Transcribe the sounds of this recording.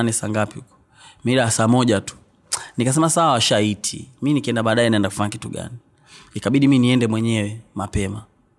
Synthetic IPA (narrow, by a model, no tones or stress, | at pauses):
anisa̰ŋɡapiuku̥ | miɗaasaːmɔʄatu̥ | nikas̬ɛmasawawaʃaitʰḭminikiɛndaɓaːɗaɛnaɛndaku̥faɲaki̥tuɡa̰ni | nikaɓiɗiminiɛndɛmwɛɲɛwɛmapɛma